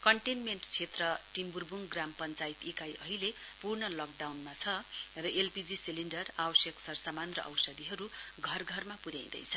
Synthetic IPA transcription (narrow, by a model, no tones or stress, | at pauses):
kʌɳʈenmeɳʈt͡sʰet̪rʌʈimburbuŋɡrampʌnt͡sait̪ikajʔʌɦile | purnʌlʌk̚ɖawnmat͡sʰʌrʌʔelpid͡zisiliɳnɖʌrabʌsjʌksʌrsamanrʌ̰ʔʌ̰wsʌd̪iɦʌɾuɡʱʌrɡʱʌrmapuɾjaw̃d̪ʌ̰jt͡sʰʌ